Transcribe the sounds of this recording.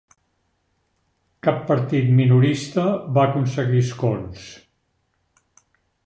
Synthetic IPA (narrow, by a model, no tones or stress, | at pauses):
kapːəɾt̪it̪minuɾist̪əβaːkunsəɣiskons